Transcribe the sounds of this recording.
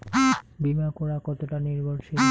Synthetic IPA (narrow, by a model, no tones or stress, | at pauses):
bimakɔɽakɔt̪oʈaniɾbʱoɾʃi